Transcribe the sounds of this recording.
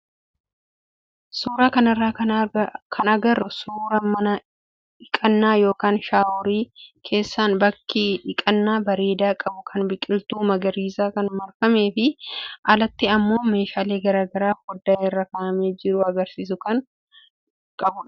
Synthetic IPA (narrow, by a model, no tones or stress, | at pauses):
suːɾaːkɐnɐrːaː | kʰɐnɐɡɐrːʊsuːɾɐmɐnɐ | ɪkʼɐnːaːjo̞ːkaːnʃaːʊɾiːkʰe̞ːsːaːnbɐkːɪᶑɪkʼɐnːaːbɐɾe̞ːd̪aːkʼɐbʊkʰɐnbɪkʼɪlt̪uːmɐɡɐɾiːsaːkɐnmɐɾfɐme̞ːfɪʔɐlɐt̪ːɪɐmːo̞ːme̞ːʃaːle̞ːɡɐɾaːɡɐɾaːfɡɔd̪ːaːɛrːɐkaːʔɐmeːd͡ʒɪɾʊɐɡɐɾsiːs̬ʊkɐn | kʼɐbʊᶑɐ